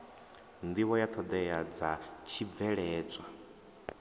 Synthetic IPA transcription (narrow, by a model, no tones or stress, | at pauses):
nd̪iwɔjat̪ʰɔd̪ɛjad͡zat͡ʃʰib̪vɛɺɛːt͡sʼwa